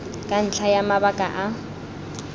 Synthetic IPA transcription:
kʼan̩t͡ɬʰajamabakʼa̰ʔa

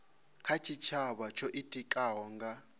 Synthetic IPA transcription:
kʰat͡ʃʰit͡ʃʰaɓat͡ʃʰɔʔitʼikʼaɦɔŋɡa

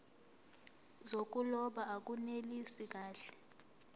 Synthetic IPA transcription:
zok̬ʼulɔɓaak̬ʼunelisik̬aːɬɛ̥

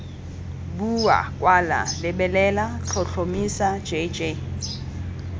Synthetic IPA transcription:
bua̰kʼwala̰lɪbɛlɛlat͡ɬʰɔɬʰomisḁd͡ʒʼed͡ʒʼe

